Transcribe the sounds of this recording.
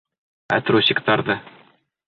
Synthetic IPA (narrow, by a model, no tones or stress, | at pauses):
æ̰t̪ɾosʲɪkt̪ɑɾd̪ɤ